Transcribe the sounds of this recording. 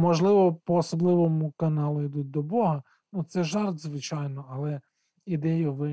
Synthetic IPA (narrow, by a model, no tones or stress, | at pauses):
mɔʒlˠɪʋɔpɔːsɔblˠɪʋɔmʊkɐnɑlˠʊid̪ut̚ʲd̪ɔbɔɦɐ | nut̪sɛʒɑrt̪zʋɪt͡ʃɑjnɔɐlˠɛ | id̪ɛjʊʋɪ